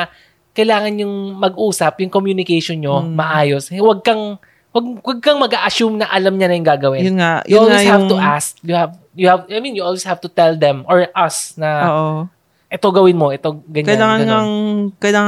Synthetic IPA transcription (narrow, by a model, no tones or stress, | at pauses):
kɐjlaːŋɐnjʊŋmɐɡʔuːsɐpjʊŋkomjunɪkɛjʃonɲomɐʔaːjoswɐɡ̚kɐŋ | wɐɡ̚wɐɡ̚kɐŋmɐɡaːʔɐʃumnɐʔɐlɐmɲɐnɐjʊŋɡaːɡɐwɪnjʊnŋajʊʔolwisjhavŋt̪ʊʔastjʊhav | jʊhavajmĩnjʊʔolwishavt̪ʊt̪ɛld̪ɛmʔoɹʔɐsnɐoːʔo | ʔɛt̪o̞ɡɐwɪnmo̞ʔɛt̪oɡɐɲkɐjlaːŋɐŋaŋkɐjlaːŋ